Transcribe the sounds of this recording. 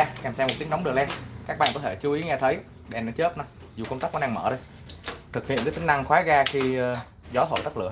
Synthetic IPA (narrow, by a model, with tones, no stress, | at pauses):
kaː˨˩msɛ˧mo˨˩t̪̚i˨˦ŋɗa˨˦wŋ͡mɗɨ˨˩əlɛ˧nkaː˦˥k̚ɓ̰aː˧˨nko˧˦t̪ʰe˧˩t͡ɕu˨˦ʔi˨˦ŋɛ˧t̪ʰə˨˦j | ɗɛ˨˩na˨˦t͡ɕəː˦˥t̚naɔ˨˦ | zu˨˩kə˧wŋ͡mt̪aː˦˥k̚ʔɔ˨˦ɗaː˧ŋmə̰ː˧˩ɗə˧j | t̪ʰɨ˨˩k̚hḭ˧˨ənkːt̪ï˨˦ŋ̟na˧ŋxwaː˨˦ɣaː˧xi˧ | zɔ˨˦t̪o̰˧˨jt̪ə˦˥k̚lɨ̰˧˨ə